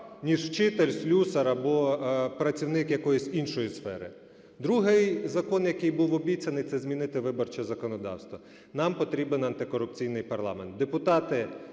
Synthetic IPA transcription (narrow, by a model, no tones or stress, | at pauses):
nʲiʒt͡ʃɪt̪elʲsʲlʲusɐɾɐbɔpɾɐt͡sʲiwnɪkjɐkɔjʊsʲinʃɔjisfɛɾɪ | d̪ɾuɦɪjzɐkɔnjɐkɪjbuwɔbʲit͡sʲɐnɪjt̪sɛzmʲinɪt̪ɪʋɪbɔrt͡ʃɛzɐkɔnɔd̪ɑ̰wst̪ʋɔ | nɑmpɔt̪ɾʲibɪnɐnt̪ɪkɔɾʊp̚t͡sʲijnɪjpɐrlˠɑ̰ment̪̚d̪epʊt̪ɑt̪ɪ